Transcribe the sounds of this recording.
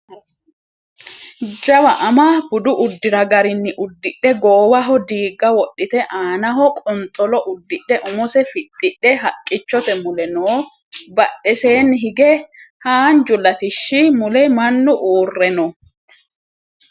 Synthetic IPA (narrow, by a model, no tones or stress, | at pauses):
d͡ʒɐwɐʔɐmɐb̥ʊd̪ʊʔʊd̪ːɪɾɐɡɐɾɪnːɪʔʊd̪ːɪɗːɛɡoːwɐɦɔd̪iːɡːɐwɔɗːɪt̪ɛʔaːnɐɦɔkʼɔnt̪ʼɔlɔʔʊd̪ːɪɗːɛʔʊmʊsɛfɪt̪ʼːɪɗːɛɦɐkʼːɪt͡ʃːɔt̪ɛmʊlɛnoːbɐɗɛse̞ːnɦɪɡɛhaːnd͡ʒʊlɐt̪ɪʃːɪmʊlɛmɐnːʊʔuːrːɛnɔ